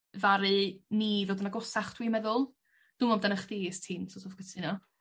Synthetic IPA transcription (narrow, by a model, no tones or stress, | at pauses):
vaɾɨniːðoːdənaɡɔsaχd̥wiːmɛðʊlˠ | d̥ʊmɔmdanaχdiːstʰiːnsosʰofɡətʰɨnɔ